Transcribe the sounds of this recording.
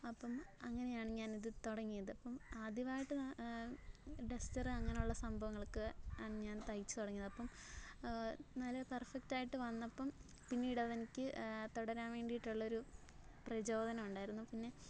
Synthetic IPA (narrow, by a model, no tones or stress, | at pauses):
ɐpːɐmɐŋːɐne̞jaːɳɨɲaːniðɨt̪oɽɐŋːijɐðɨɐpːɐmaːd̪iʋaːjiʈːɨ | ɖestɐrɨɐŋːɐnejuɭːɐsɐmbʱɐʋɐŋːɐɭkɨɲaːnt̪ɐjit͡ɕːɨ̥t̪oɽɐŋːijɐðɐpːɐm | nɐlːɐpɐrfektaːjiʈːɨʋɐnːɐpːɐm | pinːiːɽɐðenikʲːɨt̪oɽɐɾaːnʋe̞ːɳɖijiʈːuɭːɐo̞ɾu | prɐt͡ɕo̞ːd̪ʱɐnɐmuɳɖaːjiɾunːupinːe̞